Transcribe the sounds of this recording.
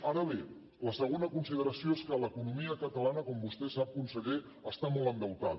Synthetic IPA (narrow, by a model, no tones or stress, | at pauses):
aɾəβe | ləsəɣ̞onəkunsið̞əɾəsioeskələkunumiəkət̪əlanəkɔmbust̪ɛsap̚kunsəɣe | əst̪amɔlˠənd̪əwt̪að